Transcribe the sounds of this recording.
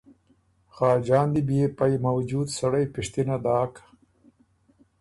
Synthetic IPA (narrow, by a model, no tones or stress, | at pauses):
xɑːd͡ʒɑːnd̪ibjepajmawd͡ʒuːd̪saɽajpɪʂt̪inad̪ɑːkḁ